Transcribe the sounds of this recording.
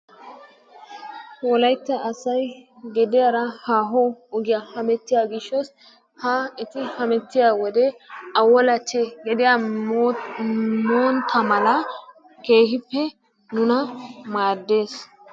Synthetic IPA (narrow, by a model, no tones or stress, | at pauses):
wɔlɐjt̪ːɐʔɐsɐjɡɛd̪ɪjaɾɐhaːɦɔɔɡɪjahɐmɛt̪ːɪjaːɡɪʃːɔs | haɪt̪ɪhɐmɛt̪ːɪjaːwɔd̪ɛɐwːɔlɐt͡ʃːɛɡɛd̪ɪja | moːnt̪ʰɐmɐlɐ | ke̞ːɦɪpːɛ | nʊnɐmaːd̪ːe̞ːs